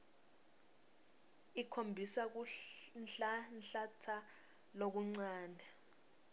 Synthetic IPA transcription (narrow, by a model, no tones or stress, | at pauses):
ikʰombʱisak̬uɬnɬatʰa | lok̬uŋ͡ǀaːndʱɛ